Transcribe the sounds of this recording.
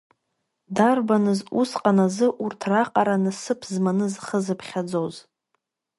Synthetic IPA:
darbanɨzusqʼanazɨʔurtʰraqʼaɾanɨsɨpʰzmanɨzχəzɨpʰχʲad͡zoz

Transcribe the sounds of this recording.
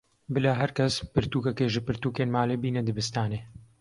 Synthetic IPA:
bɨlaːɦɐɾkɐspɨɾt̪uːkɐkeːʒɨpɨɾt̪uːkeːnmaːleːbiːnɐd̪ɨbɨst̪aːneː

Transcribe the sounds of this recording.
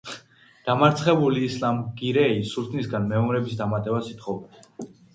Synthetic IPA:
d̪̥amaɾt̪sʰχɛbuliːslamɡiɾɛisult̪ʰnisɡanmɛɔmɾɛbisd̪amat̪ʼɛbasit̪ʰχɔvd̪ɛ

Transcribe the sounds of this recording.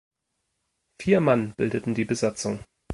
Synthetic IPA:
fiːɐmanb̥ɪldətn̩diːbəzat͡sʊŋ

